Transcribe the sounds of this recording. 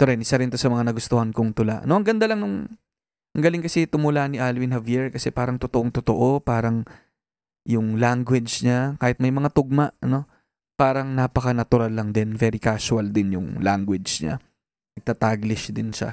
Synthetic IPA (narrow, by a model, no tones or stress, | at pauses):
t̪oɾɛnʔɪsaɾɪnt̪o̞sɐmɐŋanɐɡʊst̪ʊhankoŋt̪ʊla̰ʔnoʔɐŋɡɐnd̪alɐŋnʊŋ | ʔɐŋɡɐlɪŋkɐsɪt̪ʊmʊlaniʔaːlwɪnhɐviɹkɐsɛpaːɾɐŋt̪ʊt̪oʔoŋt̪ʊt̪oʔo̞paːɾɐŋ | jʊŋlaŋɡwɛd͡ʒd͡ʒɲakaːhɪt̪mɐjmɐŋat̪ʊɡ̚maʔno̞ | paːɾɐŋnapɐkɐnɐt̪ʊɾalːɐŋd̪ɛnvɛɾɪkasʊɐld̪ɪnjʊŋlaŋɡwɛd͡ʒd͡ʒɲa̰ | nɐɡ̚t̪at̪aɡlɪʃd̪ɪnʃa̰